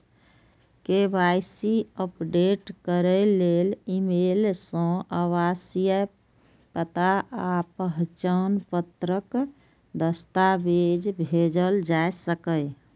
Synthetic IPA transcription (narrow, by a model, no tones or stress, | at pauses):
kebajsiəpɖeʈkəɾəlelimelsə̃əwasijə | pət̪aʔapəɦt͡ʃənpət̪ɾək | d̪əst̪abed͡ʒbʱed͡ʒəld͡ʒaesəkəɪ